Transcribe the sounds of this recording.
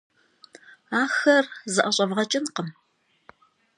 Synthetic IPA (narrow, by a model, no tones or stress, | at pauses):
aːxɐrzɨʔɐɕʼɐvʁɐt͡ʃʼɪnqəm